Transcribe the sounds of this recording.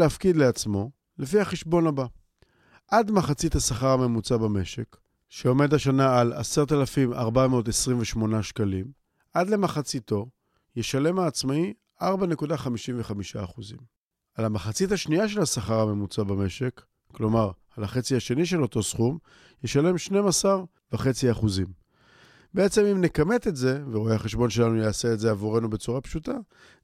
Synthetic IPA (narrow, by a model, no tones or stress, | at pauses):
leafkidleat͡smo̞ | le̞fihaχeʃbo̞naba | ʔadmaχat͡sithasaχaʁame̞mut͡sabame̞ʃe̞k | ʃeo̞me̞daʃanaalaseʁt̪alafima̰ʁbameot̪esʁimveʃmo̞naʃkalim | adle̞maχat͡sito̞ | je̞ʃale̞maːt͡smai | ʔaʁbane̞kudaχamiʃimveχamiʃaːχuzim | alamaχat͡sithaʃniaʃ̬e̞lasaχaʁame̞mut͡sabame̞ʃe̞kː | lo̞maʁ | alaχe̞t͡siaʃe̞niʃ̬e̞lo̞to̞sχum | jeʃale̞mʃne̞masaʁ | vaχe̞t͡siaχuzim | bee̞t͡se̞mimne̞kame̞t̪e̞tze̞veʁo̞eaχe̞ʃbo̞nʃe̞lanujaːse̞ːtze̞avuʁe̞nube̞t͡suʁapʃuta